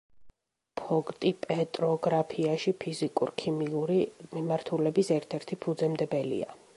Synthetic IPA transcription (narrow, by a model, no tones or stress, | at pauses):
pʰɔkʼt̪ʼipʼɛt̪ʼɾɔɡɾapʰiaʃipʰizikʼṵɾkʰimiuɾimimaɾt̪ʰulɛbisɛɾt̪ʰɛɾt̪ʰipʰud̪zɛmd̪ɛbɛlḭa̰